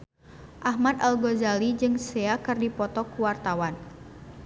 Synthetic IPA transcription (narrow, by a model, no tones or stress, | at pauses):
ʔaɦmad̪alɡozalid͡ʒɨŋseakɨrdipɔt̪ɔkuwart̪awan